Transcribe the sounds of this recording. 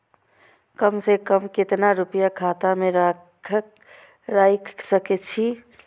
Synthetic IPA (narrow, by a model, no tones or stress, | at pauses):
kəmsekəmkɪt̪naɾupjakʰaːt̪amẽɾa | ɾajkʰsəkɛt͡ʃʰi